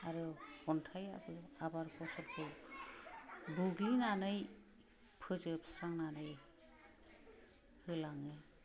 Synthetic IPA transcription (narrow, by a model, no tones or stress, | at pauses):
aɾɯhɔntʰaja̰bɯabaɾkʰɔsɔɾkʰɯ | buɡlinanɯj | pʰɯzɯpsaŋnanɯj | hɯlaŋɯ